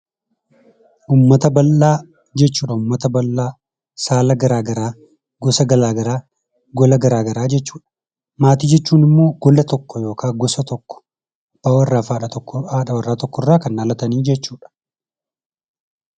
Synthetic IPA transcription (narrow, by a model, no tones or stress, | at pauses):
ʔuːmːɐt̪ɐbɐlːaː | d͡ʒɛt͡ʃːuːᶑɐʊmːɐt̪ɐbɐlːaː | saːlɐɡɐɾaːɡɐɾaː | ɡɔsɐɡɐlaːɡɐɾaː | ɡɔlɐɡɐɾaːɡɐɾaːd͡ʒɛt͡ʃːuːᶑɐ̥ | maːt̪iːd͡ʒɛt͡ʃːuːnɪmːo̞ːɡ̥ɔlɐt̪ɔkːɔjo̞ːkʰaːɡɔsɐt̪ɔkːɔ̥ | b̥awɐrːaːfaːᶑɐt̪ɔkːɔaːᶑɐwɐrːaːt̪ɔkːɔrːaːkɐnːaːlɐt̪ɐniːd͡ʒɛt͡ʃːuːᶑɐ̥